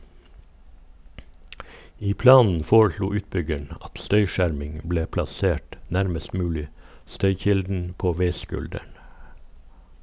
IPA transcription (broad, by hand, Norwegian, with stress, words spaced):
ˈiː ˈplɑːnn̩ ˈfoːɹˌʃluː ˈʉːtˌbʏɡəɳ ˈɑt ˈstœʏˌʃæɾmɪŋ ˈbleː plɑˈseːʈ ˈnæɾməst ˈmʉːlɪ ˈstœʏˌçɪldn̩ ˈpoː ˈʋeɪˌskʉldæɳ